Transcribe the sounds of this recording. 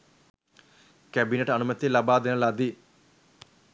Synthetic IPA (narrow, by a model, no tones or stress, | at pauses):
kɛbineʈɐnumət̪ilɐbaːd̪enəlɐd̪i